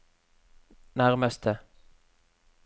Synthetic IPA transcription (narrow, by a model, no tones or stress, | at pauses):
næʁməst̪ʰə